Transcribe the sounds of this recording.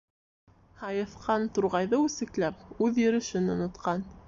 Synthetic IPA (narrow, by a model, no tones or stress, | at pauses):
hɑjɤ̆θqʰɑnt̪uɾʁɑjðɤʉsɘ̆klæp̚ʉðjɵ̆ɾɘ̆ʃɘnŏnŏt̪qɑn